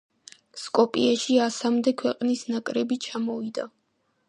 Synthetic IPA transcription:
skʼɔpʼiaʃiasamd̪ɛkʰwɛqʼnisnakʼɾɛbit͡ʃʰamɔvid̪a

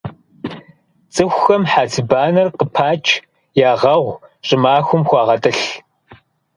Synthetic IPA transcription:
t͡sʼɨxʷxɐmħaːtʰɨbaːnɐrqəpʰaːt͡ʃʼʰ | jaːʁɐʁʷɕʼɪmaːxʷʊmxʷɑːʁɐtʼɨɬ

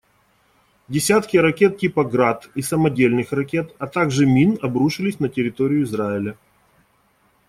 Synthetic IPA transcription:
dʲɪsʲat̪kʲɪɾɐkʲe̞t̪̚tʲipɐɡɾat̪isəmɐdʲelʲnɨxrɐkʲe̞t̪ɐt̪aɡʐɨmʲinɐbɾuʂɨlʲɪsʲnətʲɪɾʲɪt̪o̞ɾʲɪjʊɪzraɪlʲə

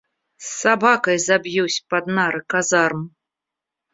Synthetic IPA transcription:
sːabakɐjzabʲjuwsʲpad̪naɾɨkazarm

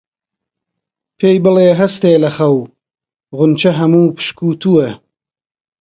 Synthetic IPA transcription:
pʰeːjbɨleːɦɐst̪eːlɐxɐw | ʁʊnt͡ʃɐɦɐmuːpɨ̥ʃkuːt̪ʰue

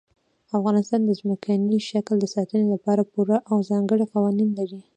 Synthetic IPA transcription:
afɣɑnɪst̪ɑnd̪əzməkʰaniʃakld̪əsɑt̪ənelapɑɾapuɾaʔawzɑŋɡəɽiqawɑninlaɾi

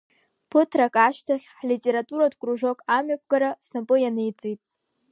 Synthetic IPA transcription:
pʰɨtʰrakʼaʃtʰaχʲħlitʼeɾatʼuɾadkʷʼruʐo̞kʼamɥapʷʰɡaɾasnapʼɨjanejt͡sʼijtʼ

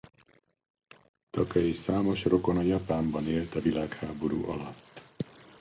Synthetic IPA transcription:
t̪ɒkɒjisaːmo̞ʃro̞ko̞nɒjɒpaːmbɒneːlt̪ɒvilaːkhaːbo̞ɾṵːʔɒlɒt̪ː

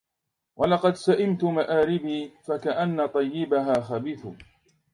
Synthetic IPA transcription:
wɑlɑqɑd̪saʔɪmt̪ʊmaʔaːɾɪbiːfakaʔanːat̪ˤɑjːɪbaɦaːxabiːθʊ

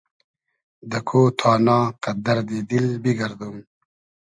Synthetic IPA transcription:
d̪ɐkʰoːt̪ʰaːnɑːqɐd̪ɐɾd̪ed̪ilbiɡɐɾd̪um

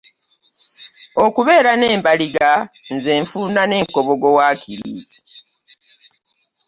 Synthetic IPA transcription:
okuβe̞ːɾane̞ːmbaliɡa | nzeːɱfuːndane̞ːŋkoβoɡowaːkiɾḭ

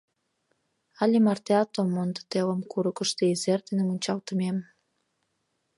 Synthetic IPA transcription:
alʲimart̪eat̪omːond̪ə̥t̪elə̆mkuɾəkəʃt̪eizert̪enemunʲt͡ɕɑlt̪əmem

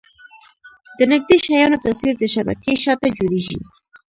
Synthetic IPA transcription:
d̪̥ənɪɡ̚d̪eʃajɑnot̪aswiɾd̪əʃaba̰keʃɑt̪ad͡ʒoɽeʒḭ

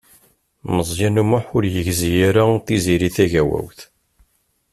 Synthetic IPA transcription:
məzˤjænumʊħʊɾjəʝzijaɾaθiziɾiθæʝæwæ̰wθ

